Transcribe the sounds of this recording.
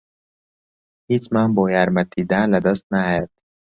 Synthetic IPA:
hit͡ʃmanbɔːjæɾmæt̪̚ːiːd̪ænlæd̪ast̪̚najad̪̥

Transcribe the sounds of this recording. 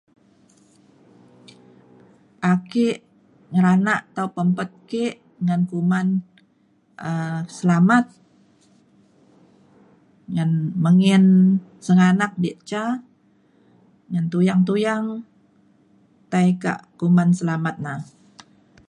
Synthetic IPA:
ʔakɪʔ | ŋəɾanaʔt̪aupəmpət̪̚keʔ | ŋankuman | ʔəsəlamat̪̚ | ŋanməŋɪn | səŋanak̚diʔt͡ʃa | ŋant̪ujaŋt̪ujaŋ | t̪aika̰ʔkumansəlamat̪̚nah

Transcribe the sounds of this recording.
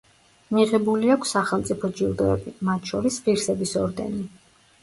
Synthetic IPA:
miʁɛbuliakʷʰsːaχɛlˠmt̪sʼipʰɔd͡ʒiɾd̪ɔɛbimat̪ʰʃɔɾispiɾsɛbisɔɾd̪ɛ̰ni

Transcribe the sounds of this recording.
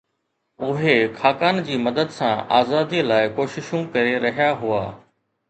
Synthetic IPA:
ʊɦekʰaːkaːnd͡ʑiːmɐd̪əd̪sãʔa̰ːzaːd̪ilaːɪkoːʃɪʃũkɐɾeɾɐɦijaɦʊaː

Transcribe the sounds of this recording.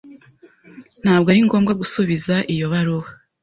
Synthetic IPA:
n̥haːbɡaɾiŋɡo̞ːmɡaɡusuβizaʔijo̞βaɾoβa

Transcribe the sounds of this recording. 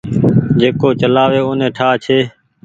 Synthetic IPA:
d͡ʒeːkoːt͡ʃəlaːʋeːoːnẽːʈʰaːt͡ʃʰeː

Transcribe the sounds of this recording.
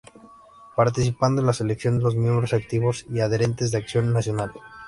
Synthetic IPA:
paɾt̪isipand̪oenlase̞leksjo̞nd̪e̞lo̞zmjẽmbɾo̞sak̚t̪iβo̞siaðeɾe̞nt̪e̞zðeaksjo̞nːasjo̞nal

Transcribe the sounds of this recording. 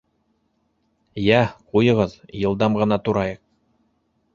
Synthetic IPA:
jæqujɤ̆ʁɤðjɤ̆lˠd̪ɑmʁɤ̆nɑt̪uɾɑjɤq̚

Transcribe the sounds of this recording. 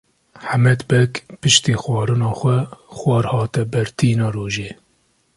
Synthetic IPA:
ħamɛd̪bɛkpɨʃt̪iːxwɑːɾɨnɑːxʷɛxwɑːɾhɑːt̪ɛbɛɾt̪ʰiːnɑːroːʒeː

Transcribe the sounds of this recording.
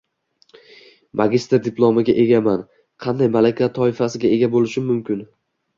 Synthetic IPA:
mʔaɡʲɪst̪ɪɾd̪ɪplˠomɪɡʲaʔe̞ɡʲaman | qʰɑnd̪ajmalakʲʰat̪ʰɒɪfasɪɡʲae̞ɡʲabolɪʃɪmːʊmkʲʰɪn

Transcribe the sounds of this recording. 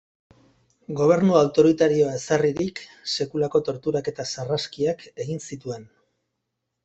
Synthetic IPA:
ɡo̞β̞e̞ɾnuawt̪o̞ɾit̪aɾio̞aesariɾikse̞kulako̞t̪o̞ɾt̪uɾake̞t̪asaraskiake̞ɣinsit̪ue̞n

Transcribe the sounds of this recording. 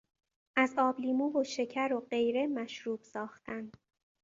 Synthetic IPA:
ʔæzɒːbliːmuːvoʃe̞cʰæɾoɢe̞jɾe̞mæʃɾuːb̥sɒːxt̪ʰænd̪

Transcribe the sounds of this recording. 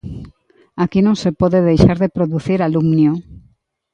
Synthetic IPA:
akinõŋsepɔðeðejʃaɾðepɾoðuθiɾalumnjo

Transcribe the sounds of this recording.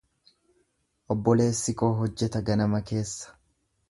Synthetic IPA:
ʔɔbːɔle̞ːsːɪkoːɦɔd͡ʒːɛt̪ɐɡɐnɐmɐke̞ːsːɐ̥

